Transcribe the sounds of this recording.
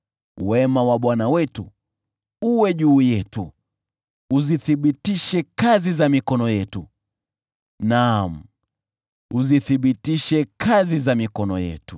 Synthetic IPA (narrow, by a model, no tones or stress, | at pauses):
wɛmawaɓwanawɛtu | uwɛʄuːjɛtu | uziθiɓitiʃɛkazizamikɔnɔjɛtu | nam̩ | uziθiɓitiʃɛkʰazizamikɔnɔ̰jɛ̰tu